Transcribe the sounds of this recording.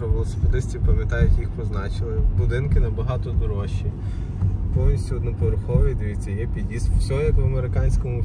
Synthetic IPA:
ɾɔʋolˠɔse̥ped̪ɪsʲtʲipɐmʲjɐt̪ɑjʊtʲjixpɔznɑt͡ʃɪlˠɪbʊd̪ɪnkɪnɐbɐɦɑt̪ɔd̪ɔɾɔʃi | pɔwnʲisʲtʲuɔd̪nɔpɔʋɾʊxɔʋid̪eʋʲit͡sʲːɐjɛpʲid̪jist̪sʲɔɦɔjɐkʋɐmeɾɪkɑnʲsʲkɔmʊ

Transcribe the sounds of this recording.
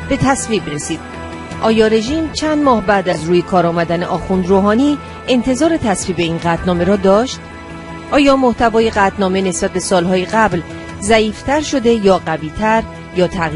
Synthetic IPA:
b̥e̞t̪ʰæsviːbɾe̞siːd̪̥ | ʔɒːjɒːɾe̞ʒiːmt͡ʃʰænd̪mɒːhbæd̪æzɾuːje̞kʰɒːɾɒːmæd̪æneʔɒːxund̪ɾoːɦɒːniː | e̞nt̪ʰe̞zɒːɾe̞t̪ʰæsviːbe̞iːnɢæt̪ʰnɒːme̞ɾɒːd̪ɒːʃt̪ | ʔɒːjɒːmoht̪ʰævɒːjeɡæt̪ʰnɒːme̞ne̞sb̥æt̪̚be̞sɒːlɦɒːjeɡæbl | zæiːft̪ʰæɾʃo̞d̪e̞jɒːɢæviːt̪ʰæɾ | jɒːt̪ʰæɣi

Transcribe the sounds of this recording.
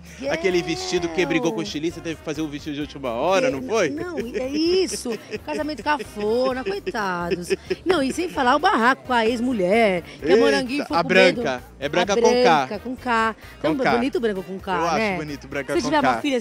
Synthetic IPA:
akelɪvest͡ʃid̪ʊkebɾiɡowkõʃt͡ʃiliset̪evɪkɪ̥fazeʊviʃt͡ʃid̪ʊd͡ʒɪut͡ʃimɐɔɾɐnɐ̃w̃fojnɐ̃w̃ɛisʊkazamẽnt̪ʊkafoɾnɐakojt̪ad̪ʊsnɐ̃w̃isẽj̃falaʊbaɦakʊ̥kaezmuʎɛɾkamoɾɐ̃ɡĩojakbɾɐẽd̪ʊkɐ | ɛbɾɐ̃kɐbɾ̃ɐ̃kakɐkõka | t̪ɐ̃bbonit̪ʊbɾɐ̃ŋkʊkõkaeaʃɛbonit̪ʊbɾɐ̃kɐset͡ʃivɛɾafiʎɐ

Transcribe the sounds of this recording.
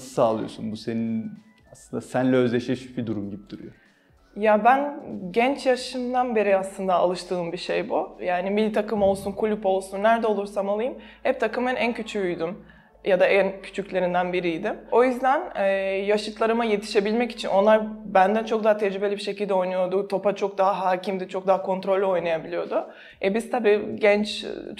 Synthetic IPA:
sɯ̥saːlˠɯjo̞̰sunbusenin | aslˠɯnd̪asænlʲɛøzlʲeʃɛʃy̥bid̪uɾumɟibid̪̥uɾṵjo | jabænɟɛnt͡ʃjaʃɯnd̪anbe̞ɾiaslˠɯnd̪aa̰lˠɯʃt̪ʰɯːmbiʃejbujaːnimilʲt̪ʰakʰɯmo̞lˠsunkʰulʲypo̞lˠsunːæɾd̪ɛo̞lˠuɾsamalˠɯjɯm | hɛp̚t̪ʰakɯmɯnʔæncʰyt͡ʃʰyːjd̪ym | jad̪aæncʰy̥t͡ʃʰycʲlʲe̞ɾind̪ænbiɾijd̪ɪmo̞jyzd̪ænɛːjaʃɯt̪lˠaɾɯmaje̞t̪ʰi̥ʃe̞bilʲmɛci̥t͡ʃʰinʔo̞nlˠaɾbænd̪ænt͡ʃʰo̞k̚d̪aɦat̪ʰɛd͡ʒɾybe̞lʲibiʃe̞cilʲd̪ɛo̞jnujo̞d̪ʊt̪ʰo̞pat͡ʃʰo̞k̚d̪aɦaɦaːcʰimd̪ɪt͡ʃʰo̞k̚d̪aɦakʰo̞nt̪ɾo̞lʲːo̞jnajabilʲijo̞d̪ʊ | ɛbiz̥t̪ʰabiːɟɛnt͡ʃ

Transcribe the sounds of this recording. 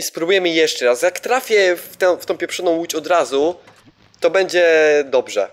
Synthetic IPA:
ispɾubujɛmɘjɛʂt͡ʂɛɾasjakt̪ɾafʲjɛft̪ɛ̃ft̪ɔ̃w̃pʲjɛpʂɔnɔ̃w̃wut͡ɕɔd̪ɾazu | t̪ɔbɛɲd͡ʑɛd̪ɔbʐɛ̰

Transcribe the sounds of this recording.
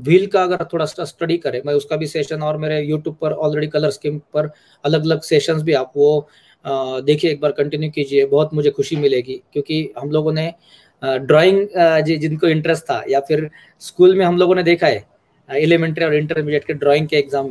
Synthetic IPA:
ʋʱiːlkaɐɡəɾt̪ʰoːɽassʈɐɖikɐɾẽːmɛ̃ʊskabʱiseːʃənɔːɾmeːɾejuːʈjuːb̚pɐɾɔːlɾeːɖikɐləɾskĩmpɐɾ | ɐləɡɐləɡseːʃənsbʱiaːp̚ʋo | d̪eːkʰieeːk̚baːɾkɐ̃ɳʈɪnjukiːd͡ʒiebɐɦʊt̪mʊd͡ʒʱexʊʃimɪleːɡiːkjõːkiɦɐmloːɡõne | ɖɾɔːɪ̃ŋɡd͡ʒid͡ʒɪnkoɪ̃ɳʈɾɛsʈt̪ʰːa̰jafʰɪɾ | skuːlmẽɦɐmloːɡõned̪eːkʰaeː | eːlemẽːɳʈɾiɔːɾɪ̃ɳʈəɾbɪd͡ʒeːʈkeɖɾɔːɪ̃ŋɡ̚keːkzaːmːẽ

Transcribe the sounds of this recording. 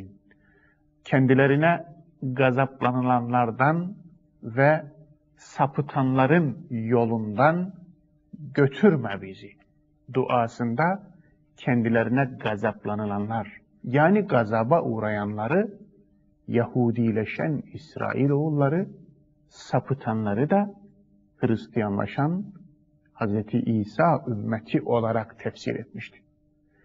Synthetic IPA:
n | cʰɛnd̪ilæɾinɛ | ɡɑzɑblˠɑnɯlˠɑnlˠɑɾd̪ɑn | vɛ | sɑpʰɯt̪ʰɑnlˠɑɾɯnjo̞lˠund̪ɑn | ɟøt̪ʰyɾmæbizi | d̪uʔɑːsɯnd̪ɑ | cʰɛnd̪ilæɾinɛɡɑzɑblˠɑnɯlˠɑnlˠɑɾ | jaːniɡɑzɑbɑʔuɾajɑnlˠɑɾɯ | jɛhuːd̪ilʲɛʃæ̰nisɾa̰ːʔilʲo̞ulˠːɑɾɯ | sɑpʰɯt̪ʰɑnlˠɑɾɯd̪ɑ | hɯɾist̪ʰijɑnlˠɑ̰ʃɑn | hɑzɾɛt̪ʰiʔiːsɑʔymːɛt̪ʰiʔo̞lˠɑɾakt̪ʰæfsḭɾḛt̪miʃt̪ʰi̥

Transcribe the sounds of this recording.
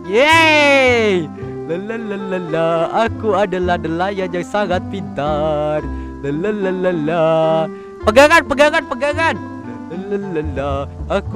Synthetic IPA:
je | lələlələlaakuadaladalahjad͡ʒaŋsaɡat̪̚pint̪ar | lələlələla | pəɡaŋanpəɡaŋanpəɡaŋan | lələləlaak

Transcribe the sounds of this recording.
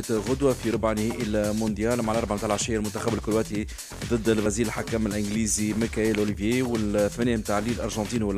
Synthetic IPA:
t̪ɣʊd̪wæfiɾˤʊbʕnɪhɛʔilmʊnd̪jæːlmaʕlʔɑɾˤbaʕmt̪aʕlʕaʃæːjælmʊnt̪axæbɪlkʊlwæt̪hi | ðˤɨd̪ːɪlbæziːlɪlħakːæmɪlʔɪɡliːzimikæeːlʔʊlivjewɪlθmæneːmt̪aːʕliːlʔɑ̰ɾˤʒɑ̃nt̪iːnwɪl

